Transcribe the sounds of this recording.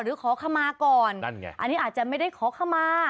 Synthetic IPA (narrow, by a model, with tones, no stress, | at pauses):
ɾɯː˨˩˦kʰɔː˨˦kʰa˧˥˩maː˧kɔː˨˩n˧na̰˧˨ʔa̰˧nːiː˦˥ʔaː˨˩t̪̚t͡ɕa˨˩ma˥˩jda˥˩jkʰɔː˨˦kʰaː˥˩maː˧